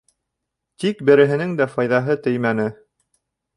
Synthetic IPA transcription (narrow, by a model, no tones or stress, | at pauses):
t̪ikbɘ̆ɾɘ̆ɦɘ̆nɘŋd̪æfɑjðɑɦɤt̪ɘjmænɘ